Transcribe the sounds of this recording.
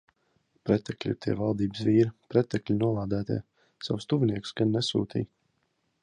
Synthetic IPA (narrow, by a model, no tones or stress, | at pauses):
pɾɛt̪ɛklʲḭt̪iɛ̰valˠd̪iːbsviːɾpɾɛt̪ɛklʲinuɔlˠaːd̪æːt̪ḭː | sawst̪uvʲiniɛksɡanːɛsṵːt̪ḭːj